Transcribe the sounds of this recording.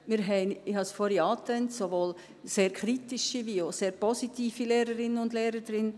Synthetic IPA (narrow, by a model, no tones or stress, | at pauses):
mɪɾɦɛɪnɪhɑsfɔɾiɑːt̪ɛntsovoːl | seːɾkʰɾitiʃivioseːɾpɔsitiːfileːɾəɾɪnənʊndleːɾədɾɪn